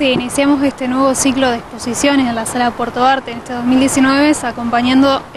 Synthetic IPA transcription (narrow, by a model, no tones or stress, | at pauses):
iːnisjamose̞st̪e̞nwe̞βo̞sikloð̞ekspo̞sisjo̞neselasalapweɾt̪oaɾt̪eːnet̪eðo̞zmild̪jesinwe̞βesako̞mpaɲjand̪o